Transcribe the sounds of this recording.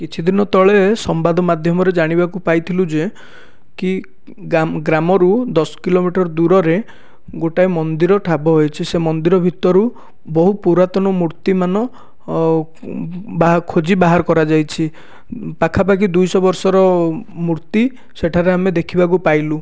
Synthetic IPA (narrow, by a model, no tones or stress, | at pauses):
kit͡ʃʰid̪inɔt̪ɔɭesɔmbad̪ʱɔmad̪ʱjɔmɔɾed͡ʒaɽ̃ibakupajt̪ʰilud͡ʒe | ki | ɡɾamɔɾud̪ɔsɔ̥kilomiʈɔɾɔd̪uɾɔɾe | ɡoʈaemɔnd̪iɾɔʈʰabɔɦojt͡ʃʰisemɔnd̪iɾɔbʱit̪ɔɾu | bɔɦupuɾat̪ɔnɔmuɾt̪imanɔ | bakʰod͡ʒibaɦaɾɔkɔɾad͡ʒajt͡ʃʰi | pakʰapak̬id̪ujsɔbɔɾsɔɾɔmuɾt̪i | seʈʰaɾeamed̪ekʰibak̬upajlu